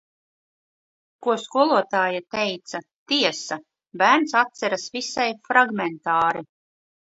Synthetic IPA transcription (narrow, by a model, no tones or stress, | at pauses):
kuɔskuɔlˠuɔt̪aːjat̪ejt̪sat̪iɛsa | bæːɾnsat̪sɛɾasvisajfɾaɡmɛnt̪aːɾi